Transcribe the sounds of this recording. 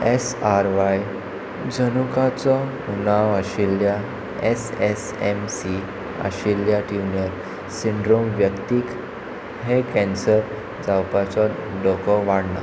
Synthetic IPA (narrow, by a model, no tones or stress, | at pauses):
esaɾʋaj | d͡zənukat͡sɔ | unaʋəɕilːja | eses | emsi | ə̰ɕiljaʈjunəɾ | siɳɖɾomʋjəkt̪ik | ɦekɛ̃nsəɾ | d͡zawpat͡sɔɖɔkɔʋaɽna